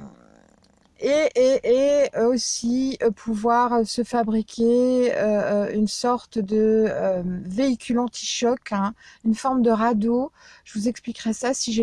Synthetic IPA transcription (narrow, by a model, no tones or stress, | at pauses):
eʔeʔeosipʰuvwaʁsəfabʁikʲʰeøynsɔʁt̪d̪ə | veikʲʰylɑ̃t̪ʰi̥ʃɔkɛ̃ynfɔʁmd̪əʁad̪oʒ̥əvuzɛksplikʁɛsasiʒe